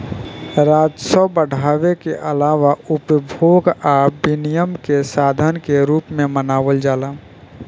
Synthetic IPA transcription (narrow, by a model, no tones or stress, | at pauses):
ɾaːd͡ʒsəbəɽ̤ʱaːwekeʔəlaːʋaʊpbʱoːɡaːinijəmkesaːd̪ʱənkeɾuːpmẽmənaːʋəld͡ʒaːlaː